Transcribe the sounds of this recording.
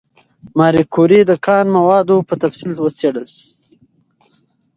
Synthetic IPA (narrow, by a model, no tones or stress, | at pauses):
mɑɾikʰuɾid̪əkʰɑːnmawɑːd̪opət̪afsilwəseɽəli̥